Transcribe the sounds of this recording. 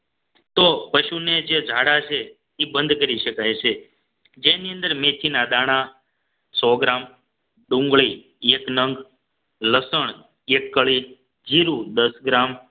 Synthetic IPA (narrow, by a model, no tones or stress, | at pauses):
t̪opəʃuned͡ʒed͡ʒʱaɽat͡ʃʰe | t̪ibənd̪kəɾiʃəkajt͡ʃʰe | d͡ʒeniə̃nd̪əɾmet͡ʃ̪ʰinad̪aɽ̃a | sɔɡɾam | ɖũŋɡɭi | eknəŋɡ | ləsəɳ̃ | ekːəɭi | d͡ʒiɾud̪əsɡɾam